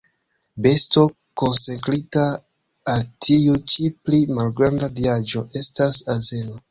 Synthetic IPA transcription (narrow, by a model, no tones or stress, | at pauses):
be̞sto̞ | ko̞nsekɾitaː | ltʰiut͡ʃiplimalɡɾandaviad͡ʒo̞ʔe̞stasaze̞no